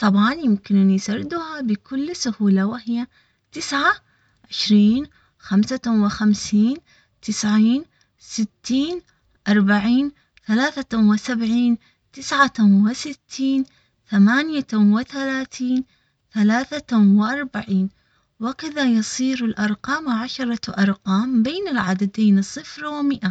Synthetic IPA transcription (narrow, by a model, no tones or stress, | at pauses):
t̪ˤɑbʕɑnjɪmkɪnɪnjsaɾˤɪd̪ʊhabɪkʊlːsʊhuːlawɪhɪjːa | t̪ɪsʕa | ʕɪʃɾiːn | xamsawɪxamsiːn | t̪ɪsʕiːn | sɪt̪ːiːn | ʔɑɾˤbaʕiːn | θalaːθawɪsabʕiːn | t̪ɪsʕawɪsɪt̪ʰːiːn | θamaːnjawɪθalaːθiːn | θalaːθawɪʔɑɾˤbaʕiːn | wakaðajɑsˤiːɾɪlʔɑɾˤqɑːmʕaʃɑɾˤɑʔɑɾˤqɑːmbeːnɪlʕad̪ad̪eːnsˤːɨfɾwɪmɪʔa